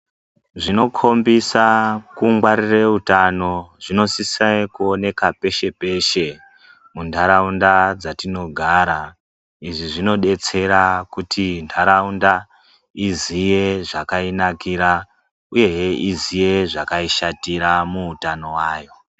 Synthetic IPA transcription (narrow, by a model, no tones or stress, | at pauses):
ʐino̞kʰo̞mbisakuŋɡwaɾire̞utano̞ʐino̞sisajkuone̞kape̞ʃe̞pe̞ʃe̞ | mundʱaɾaundad͡zatino̞ɡʱaɾa | iʐiʐino̞ɗe̞t͡se̞ɾakutʰindʰaɾaunda | izije̞ʐakainakiɾa | uje̞jeʔizije̞ʐakaiʃatiɾamuːtano̞waːjo̞